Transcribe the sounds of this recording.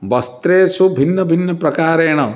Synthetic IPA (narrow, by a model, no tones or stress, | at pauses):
bɐst̪ɾeːsubʱinːɐbʱinːɐpɾɐkaːɾeːɽ̃ɐ